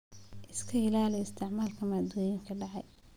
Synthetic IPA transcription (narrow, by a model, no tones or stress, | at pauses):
ʔɪskʰɐhɪlaːlɛɪst̪ʰɪʕmaːlkʰɐmaːd̪ɔːjɪŋkʰɐɖɑʕɑj